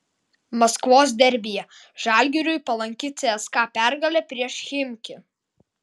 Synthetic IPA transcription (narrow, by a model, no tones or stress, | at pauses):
mɐskʋoːs̬d̪ʲɛɾʲbʲɪjɛ | ʒɑˑlʲɡʲɪɾʲʊjpɐlˠɐŋʲkʲɪːt̪sʲɛɛskɑːpʲæˑɾɡɐlʲɛˑpʲɾʲiɛʃxʲɪmʲkʲɪ